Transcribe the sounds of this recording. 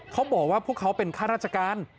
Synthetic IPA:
kʰa˦˥wbɔː˨˩k̚waː˥˩pʰu˥˩əkʰːa˦˥wpe˧nkʰaː˥˩ɾaː˥˩t̪̚t͡ɕʰa˧kaː˧n

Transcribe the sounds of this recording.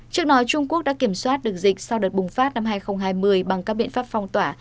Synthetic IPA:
t͡ɕɨ˦˥k̚ɗɔ˨˦t͡ɕʊ˧ŋ͡mku˦˥ək̚ɗa̰ː˧˥ki˧˩əmswaː˦˥t̚ɗɨ˨˩ək̚zï˨˩k̟̚sa˧wɗəː˨˩t̚ɓʊ˨˩ŋ͡mfaː˦˥t̚na˧mɦaː˧jxə˧wŋ͡mɦaː˧jmɨ˧əjɓa˨˩ŋkaː˦˥k̚ɓḭ˧˨ənfaː˦˥pfɔ˧wŋ͡mt̪waː˧˩

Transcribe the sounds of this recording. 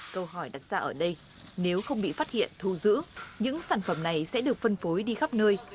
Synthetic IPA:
kə˧wɦɔ˧˩jɗa˨˩t̚z̥aː˧ʔəː˧˩ɗə˧j | ne˨˦wxə˧wŋ͡mɓḭ˧˨faː˦˥t̚hḭ˧˨ənt̪ʰu˧˩zɨ̰˧˥ɲɨ̰˧˥ŋsaː˧˩nfə˧˩mna˨˩jsɛ̰˧˥ɗɨ˨˩ək̚fə˧nfo˨˦jɗi˧xa˦˥p̚nəː˧j

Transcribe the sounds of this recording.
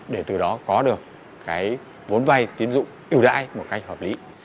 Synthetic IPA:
ɗe˧˩t̪ɨ˨˩ɗɔ˨˦kɔ˨˦ɗɨ˨˩ək̚ː | aː˨˦j | vo˨˦nva˧˩jt̪i˨˦ənzʊ̰˧˨ŋ͡mʔi˨˩əwɗa̰ː˧˥jmo˨˩t̚ka˧jk̟hə˨˩p̚lḭ˨˦

